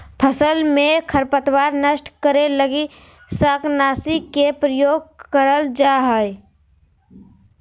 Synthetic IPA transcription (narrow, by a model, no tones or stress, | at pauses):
pʰəsəlmẽkʰəɾpət̪waːɾnəʃʈkəɾeləɡi | saːknaːsikepɾəjoːɡ̚kəɾəld͡ʒaɦəj